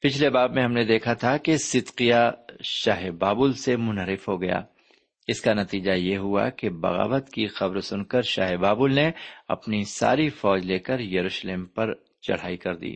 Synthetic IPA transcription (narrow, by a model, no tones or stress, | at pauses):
pɪt͡ʃʰlebaːbmẽɦɐmned̪eːkʰat̪ʰakesɪd̪qijaʃaːɦebaːbʊlsemʊ̃nɦəɾɪfɦoɡɐja̰ː | ɪskanɐt̪iːd͡ʒajeɦʊa̰kebɐ̰ɣa̰ːbət̪kixɐbɾsʊnkəɾʃa̰ːɦebaːbʊlneɐ̰pnisa̰ːɾifɔːd͡ʒleːkəɾjɐɾuːʃleːmpɐɾ | t͡ʃɐ̰ɽ̤a̰ːikɐɾd̪ḭː